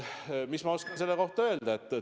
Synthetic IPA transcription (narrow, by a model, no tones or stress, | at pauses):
mismɑoskɑnse̞lːe̞ko̞ht̪ɑø̞ld̪̥ɑet̪ːˑe